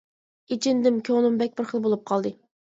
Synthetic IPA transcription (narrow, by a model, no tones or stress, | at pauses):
it͡ʃʰɪnd̪ɪmkʲʰonumbɛk̚ʲbɪɾχəlˠbolˠup̚qʰɑlˠd̪ɨ